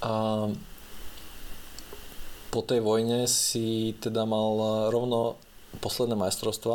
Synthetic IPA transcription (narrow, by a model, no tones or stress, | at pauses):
a | pɔt̪ɛjʋɔjɲɛsit̪ɛd̪amalɾɔʊnɔ | pɔslɛd̪nɛːmajst̪ɾɔʊst̪ʋa